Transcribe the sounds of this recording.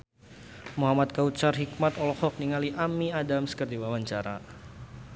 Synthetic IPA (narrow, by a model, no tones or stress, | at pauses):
muɦamat̪̚kaut͡ʃarɦik̚mat̪ɔlɔhɔk̚niŋaliʔamiadamskərdiwawaɲt͡ʃaɾa̰